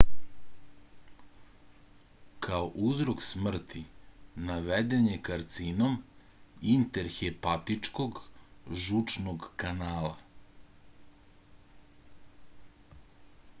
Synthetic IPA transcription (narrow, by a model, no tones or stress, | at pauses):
kʰaoʔuzɾoksmr̩t̪ʰinaʋed̪e̞ɲekaɾt̪sinom | int̪eɾxepat̪it͡ʂkoɡʒut͡ʂnoɡkanaːlˠa̰